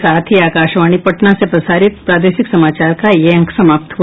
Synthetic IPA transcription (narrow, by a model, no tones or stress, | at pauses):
saːt̪ʰiaːkaːʃʋaːɽ̃ipɐʈnasepɾɐsaːɾɪt̪̚pɾaːd̪eːʃɪksɐmaːt͡ʃaːɾkajeɐ̃ŋksɐmaːpt̪ʰ